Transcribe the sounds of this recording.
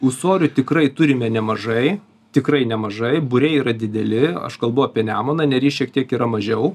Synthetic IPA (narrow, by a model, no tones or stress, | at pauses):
ʊʃsoːɾʲʊt̪ʲɪkrɐɪt̪ʊɾʲɪmʲɛnʲɛmɐʒɐɪ | t̪ʲɪkɾɐɪnʲɛmɐʒɐɪbʊɾʲɛɪiːɾɐd̪ʲɪd̪ʲɛlʲɪɐ̰ʃkɐlˠbɐʊɐpʲiɛnʲæːmoːnɐnʲɛɾʲiːʃʲiɛk̚t̪ʲiɛkiːɾɐmɐʒʲɛʊ